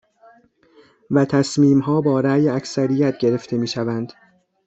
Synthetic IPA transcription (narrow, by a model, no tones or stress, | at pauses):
væt̪ʰæsmiːmɦɒːbɒːɾæːjæcʰsæɾijæt̪ʰɟe̞ɾe̞ft̪ʰe̞miːʃævænd̪̥